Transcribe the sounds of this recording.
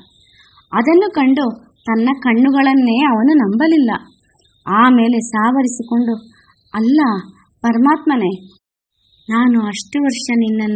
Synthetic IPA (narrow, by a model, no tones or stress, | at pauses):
ɐd̪ɐnːukɐɳɖu | t̪ɐnːɐkɐɳːuɡɐɭɐnːe̞ːɐʋɐnunɐmbɐlilːɐ | aːme̞ːle̞saːʋɐɾisiko̞ɳɖu | ɐlːɐ | pɐɾɐmaːt̪mɐne | naːnuɐʂʈuʋɐɾʂɐninːɐnː